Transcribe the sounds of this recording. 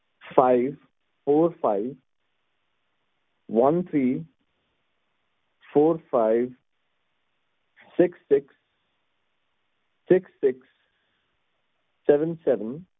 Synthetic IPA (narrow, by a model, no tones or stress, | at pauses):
faɪʋ | foːɾfaɪʋ | ʋʌ̃nt̪ʰɾiː | foːɾfaɪʋ | ɪksːɪks | ɪksːɪks | ɛʋə̃nsɛʋə̃n